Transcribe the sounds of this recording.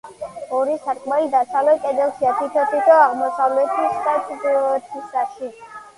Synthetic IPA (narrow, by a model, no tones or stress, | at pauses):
ɔɾisaɾkʼmalid̪asavlɛkʼɛd̪ɛlˠʃiat̪ʰit̪ʰɔt̪ʰit̪ʰɔaʁmɔsavlɛt̪ʰisat̪ʰt̪ʰisaʃi